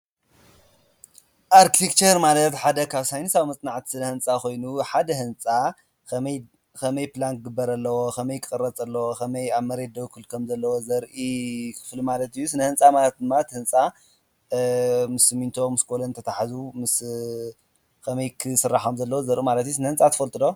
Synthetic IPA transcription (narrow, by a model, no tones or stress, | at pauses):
ʔaɾkʰit̪ʰekt͡ʃɐɾmalɐt̪ħad̪ɐkʰaβsajnɨsawmɐt͡sʼnaʕt̪ʰi̥sɨnɐhɨnt͡sʼako̞jnuħad̪ɐhɨnt͡sʼa | kʰɐmɐj | kʰɐmɐjplank̚ɡɨbːɐɾɐlːɐwo̞kʰɐmɐjkʰɨkʼɨrːɐt͡sʼɐlːɐwokʰɐmɐjaβmɐɾed̪ɐwkʰɨlkʰɐmzɐlːɐwozɐɾʔikʰɨ̥flimalɐt̪ɨjːusɨnɐhɨnt͡sʼamalɐt̪̚d̪ɨmːat̪hɨnt͡sʼa | mɨsɨmint̪ʰo̞mɨskʰolɐnt̪ʰɐt̪ʰaħazumɨs | kʰɐmɐjkʰɨsɨrːaħomzɐlːɐwozɐɾʔumalɐt̪ijusɨnɐhɨnt͡sʼat̪ʰɐ̥fɐlt̪ʼɨd̪o